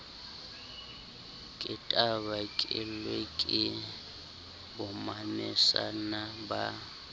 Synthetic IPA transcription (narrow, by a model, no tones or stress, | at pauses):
kʼɪtʼabakʼɪlwekʼɪ | bʊmanɛsa̰naba̰